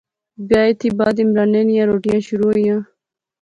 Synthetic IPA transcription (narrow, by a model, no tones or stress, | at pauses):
bjɑːet̪ibɑːd̪imɾɑːnenijãɾoːʈijãːɕuɾujã